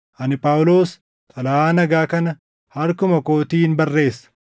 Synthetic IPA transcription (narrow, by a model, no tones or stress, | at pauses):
ʔɐnɪpʼaːwʊlo̞ːs | k̪ʼɐlɐaːnɐɡaːkɐnɐ | hɐɾkʊmɐko̞ːt̪iːɪnbɐrːe̞ːsːɐ̥